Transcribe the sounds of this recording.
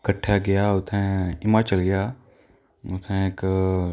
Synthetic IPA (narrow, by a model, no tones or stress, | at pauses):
kəʈʰːjaːɡɪjaːʊt̪ʰẽɪmaːt͡ʃəlɡɪjaː | ʊt̪ʰẽk